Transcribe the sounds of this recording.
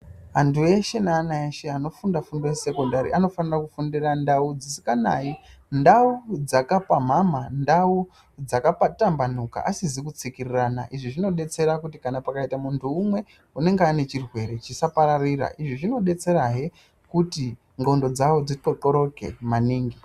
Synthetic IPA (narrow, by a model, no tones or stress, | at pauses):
antue̞ʃe̞naːnaeʃe̞ano̞fundafundose̞kondaɾḭʔano̞fanirakufundirandaud͡zisi̥kanai | ndaud͡zakapam̤amandau | d͡zakapatamban̤uka̰ʔasizikut͡sikirirana̰ʔiʐiʐino̞ɗe̞t͡se̞ɾakutikanapakaitamuntʰuːmwe̞ | une̞ŋɡeane̞t͡ʃirwe̞ɾe̞t͡ʃisapaɾariɾa̰ʔiʐiʐino̞ɗe̞t͡se̞ɾaɦe | kuti | ŋɡo̞ndo̞d͡zawo̞d͡zitotoɾo̞ke̞̰maniːŋɡi